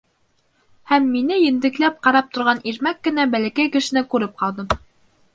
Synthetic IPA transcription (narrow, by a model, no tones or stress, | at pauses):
hæmːinɘjɘ̆nd̪ɘ̆klæp̚qɑɾɑp̚t̪ŏɾʁɑniɾmækːɘ̆næbælækæjkɘ̆ʃɘ̆nɘkʉɾɘp̚qɑlˠd̪ɤm